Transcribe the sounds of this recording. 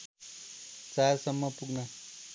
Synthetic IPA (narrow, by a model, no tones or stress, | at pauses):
t͡saɾsʌmːʌpuɡnʌ